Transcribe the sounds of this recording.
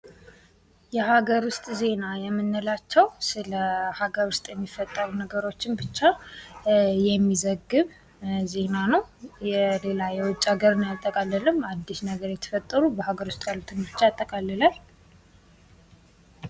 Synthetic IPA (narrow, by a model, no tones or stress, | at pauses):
jɛhaɡəɾwʊst̪ʼze̞najɛmːɨnːəlat͡ʃːɛwsɨləhaɡəɾwʊst̪ʼjɛmːifːət̪ʼːəɾunəɡəɾo̞t͡ʃːɪnbɨt͡ʃːa | jɛmːizəɡːɨβ | ze̞nanəwjɛle̞lajɛwʊt͡ʃʼːaɡəɾɨnjat̪ʼːəkʼalːəlɨmad̪ːisnəɡəɾjɛt̪ʰə̥fət̪ʼːəɾubəhaɡəɾwʊst̪ʼjalut̪ʰɨnbɨt͡ʃːaat̪ʼːəkʼalːəlal